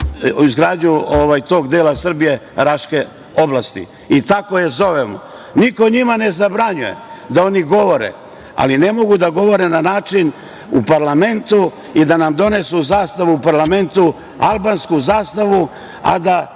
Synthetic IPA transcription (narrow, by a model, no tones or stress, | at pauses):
izɡɾaːd̪ɲuoʋajt̪o̞ːɡd̪eːlasr̩bije̞ɾaʃke̞ | o̞blˠast̪ḭ | it̪ako̞jezo̞ʋemo̰ | niko̞ɲimane̞zabɾaɲuje̞̰d̪ao̞niɡo̞ʋo̞ɾḛ | a̰line̞mo̞ɡud̪aɡo̞ʋo̞ɾe̞nanaːt͡ʃin | upaɾlame̞nt̪u | id̪anamd̪o̞ne̞suzaːst̪aʋuupaɾlame̞nt̪u | a̰lˠbanskuzaːst̪aʋu | a̰d̪a